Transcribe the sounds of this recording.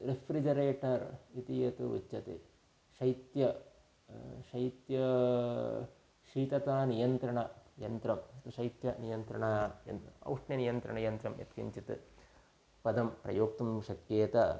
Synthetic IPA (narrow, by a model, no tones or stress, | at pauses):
ɾefɾid͡ʒɐɾeːʈɐɾit̪ijɐt̪uʋṵt͡ʃːɐt̪ḭ | ʃɐjt̪jɐ | ʃɐjt̪jɐ | ʃiːt̪ɐt̪aːnijɐnt̪ɾɐɳɐjɐnt̪ɾɐmɐt̪uʂɐjt̪jɐnijɐnt̪ɾɐɳajɐ̰nɐ̰wʂɳjɐnijɐnt̪ɾɐɳɐjɐnt̪ɾɐmjɐ̰t̪kḭɲt͡ʃit̪ɨ | pɐd̪ɐmpɾɐ̰joːk̚t̪umʃɐkjeːt̪ɐ